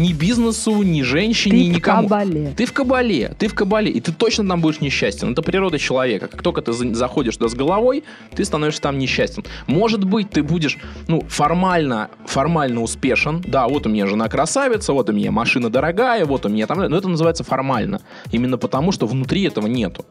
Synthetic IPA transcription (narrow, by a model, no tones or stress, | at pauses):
nʲɪbʲiznɨsʊnʲɪʐɛnʲɕːɪnʲɪnʲɪkɐmulʲt̪ɨfkəbɐlʲḛt̪ɨfkəbɐlʲeʔɪt̪ɨt̪o̞t͡ɕnət̪ambudʲɪʂnʲɪɕːæsʲt̪ʲɪnɛt̪əpɾʲɪɾo̞d̪ət͡ɕɪlˠɐvʲe̞kəkḁkt̪okət̪ɨzzɐxo̞dʲɪʂt̪ʊd̪azɡəlˠɐvo̞j | t̪ɨst̪ɐno̞vʲɪʂsʲət̪amnʲɪɕːæsʲtʲɪnmo̞ʐɨt̪bɨt̚ʲt̪ɨbudʲɪʂnufɐrmalʲnə | fɐrmalʲnəʊspʲe̞ʂɨnd̪avo̞t̪ʊmʲɪnʲaʐɨnakɾɐsavʲɪt̪səvo̞t̪ʊmʲɪnʲa̰mɐʂɨnəd̪əɾɐɡajəvo̞t̪ʊmʲɪnʲat̪amd̪ʲnoɛt̪ənəzɨvajɪt̪səfɐrma̰lʲnə̰ | imʲɪnːəpət̪ɐmuʂt̪ovnʊt̪ɾʲiɛt̪əvənʲe̞̰t̪ʊ̥